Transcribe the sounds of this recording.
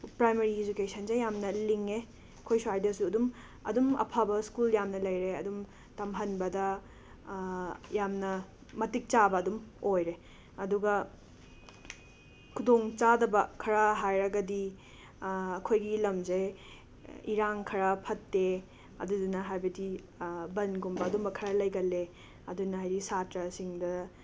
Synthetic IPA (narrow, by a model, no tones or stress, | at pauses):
pɾajmɐɾiːd͡ʒukesʰɐnzejjamnɐliŋe | ɐkʰojsuɦajdɐsuɐdum | ɐ̰dumɐ̰pʰabɐskuljamnɐlɐjɾeɐdum | tɐmɦɐnbɐdɐ | jamnɐː | ɐtik̚t͡ʃabɐːdumojɾe | ɐduɡɐ | kʰudoŋt͡ʃadɐbɐkʰɐɾɐɦajɾɐɡɐdi | ɐkʰojɡilɐmzɐj | iɾaŋkʰɐɾɐpʰɐtːe | ɐ̰dudunɐɦajbɐdi | bɐnɡumbɐːdumbɐkʰɐɾɐlɐjɡɐlːe | ɐdunɐɦajdisatɾɐsiŋdɐ